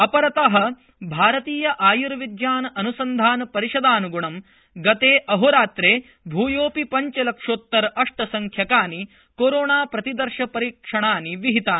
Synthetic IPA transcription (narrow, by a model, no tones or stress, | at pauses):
ɐpɐɾɐt̪ɐɦɐ̆ | bʱaːɾɐt̪iːjɐʔaːjuɾɐʋid̪jaːnɐɐnusɐnd̪ʱaːnɐpɐɾiʃɐd̪aːnuɡuɳɐm | ɡɐt̪eːʔɐɦoɾaːt̪ɾeː | bʱuːjoːpipɐɲt͡ʃɐlɐkʂoːt̪ːɐɾɐʂʈɐsɐŋkʰjɐkaːni | koːɾoːɳaːpɾɐt̪id̪ɐɾʃɐpɐɾiːkʂɐɳaːniʋiɦit̪aːni